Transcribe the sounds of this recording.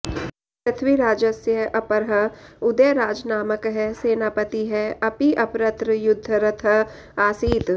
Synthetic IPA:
pɾɐt̪ʰʋiɾaːd͡ʒəsjəʔɐpɐɾɦɐʊd̪əjɾaːd͡ʒnaːməkɦɛseːnaːpɐt̪iɦɛɐpiʔɐpɾɐt̪ɾjʊd̪ʱːəɾɐt̪ʰɐ | aːsiːt̪

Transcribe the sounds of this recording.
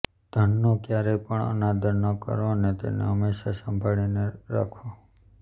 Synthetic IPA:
d̪̥ʱənːokjaɾepəɳə̰nad̪ʱəɾnəkə̰ɾonet̪ḛnḛɦəmːeʃasəmbʱaɭineɾa̰kʰo

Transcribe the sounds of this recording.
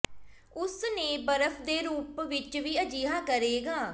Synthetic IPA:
ʊsnẽːbəɾəpʰd̪eːɾuːpʋɪt͡ʃʋiːəd͡ʒiːɦaːkəɾeːɡaː

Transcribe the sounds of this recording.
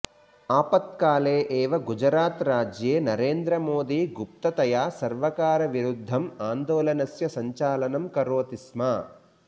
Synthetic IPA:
aːpɐt̪̚kaːleːʔeːʋɐɡud͡ʒɾaːt̪ɾaːd͡ʒjeːnɐɾeːnd̪ɾɐmoːd̪iːɡup̚t̪ɐt̪ɐjaːsɐɾʋɐkaːɾɐʋiɾud̪ʱːɐmaːnd̪oːlɐnɐsjɐsɐɲt͡ʃaːlɐnɐmkɐɾoːt̪ismaː

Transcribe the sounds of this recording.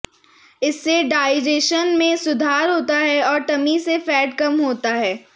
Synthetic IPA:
ɪsːeɖaːɪd͡ʒeːʃənmẽsʊd̪ʱaːɾɦoːt̪aɦɛɔːɾʈɐmisefɛːʈ̚kɐmɦoːt̪aɦɛː

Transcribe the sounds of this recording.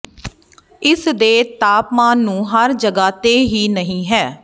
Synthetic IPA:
ɪsd̪eːt̪aːpmãːnːũːɦəɾd͡ʒəɡaːt̪eːɦiːnəɦĩːɦɛː

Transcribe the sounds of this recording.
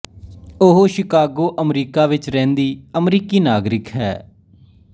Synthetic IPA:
ʊɦoʃɪkaːɡoːʔəmɾiːkaːʋɪt͡ʃɾɛ̃ːnd̪iːəmɾiːkiːnaːɡɾɪkɦɛ̰ː

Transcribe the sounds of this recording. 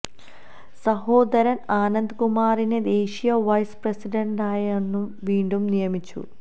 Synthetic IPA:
sɐɦo̞ːd̪ɐɾɐnaːnɐnd̪kumaːɾined̪e̞ːɕijɐʋɐjsprɐsiɖɐɳɖaːjenːumʋiːɳɖumnijɐmit͡ɕːṵ

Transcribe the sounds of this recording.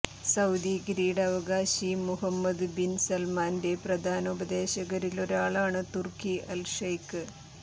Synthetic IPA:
sɐwd̪iːɡɾiːɽɐʋɐɡaːɕimuɦɐmːɐd̪binsɐlmaːnde̞prɐd̪ʱaːnɐubɐd̪e̞ːɕɐɣɐɾilo̞ɾaːɭaːɳɨt̪urkiʔɐlʂɐjkːɨ

